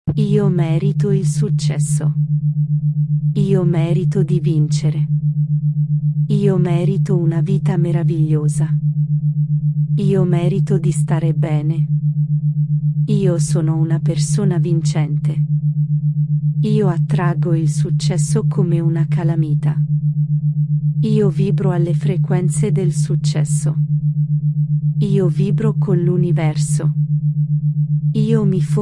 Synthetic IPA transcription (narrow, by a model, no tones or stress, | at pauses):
iːomɛːɾit̪oilsut͡ʃːɛsːo | iːomɛːɾit̪od̪ivint͡ʃeɾe | iːomɛːɾit̪ounaviːt̪ameɾaviʎːoːza | iːomɛːɾit̪od̪ist̪aːɾebɛːne | iːosɔːnounapersoːnavint͡ʃɛnt̪e | iːoat̪ːɾaɡoilsut͡ʃːɛsːokʰomeunakalamiːt̪a | iːoviːbɾoalːefɾekwɛnt̪sed̪elsut͡ʃːɛsːo | iːoviːbɾokonlunivɛrso | iːomif